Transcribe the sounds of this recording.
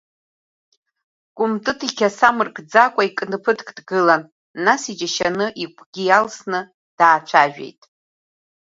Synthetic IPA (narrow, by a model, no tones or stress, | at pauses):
kʷʼʊmtʼɨtʰikʲasamɨrkʼd͡zakʷʼaikʼnɨpʰɨtʰkʼdɡɨlanː | asid͡ʒaʃanɨʔikʷʰɡʲijalsnɨ | d̥aːt͡ʃʷʰaʒᶣḛjtʼ